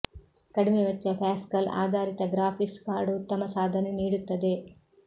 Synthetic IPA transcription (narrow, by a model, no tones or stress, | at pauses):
kɐɽimeʋɐt͡ʃːɐpʰaːskɐla̰ːd̪ʱaːɾit̪ɐɡɾaːpʰikskaːɾɖut̪ːɐmɐsaːd̪ʱɐneniːɽut̪ːɐd̪e̞